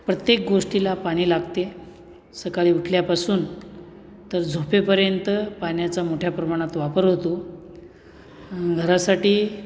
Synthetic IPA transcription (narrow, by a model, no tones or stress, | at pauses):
pɾət̪jek̚ɡoʂʈilapaɽ̃iːlaɡt̪e | səkaɭiːuʈʰljapasuːn | t̪əɾd͡zʱopepəɾjənt̪əpanjat͡samoʈʰjapɾəmaɽ̃at̪ʋapəɾɦot̪o | ɡʱəɾasaʈiː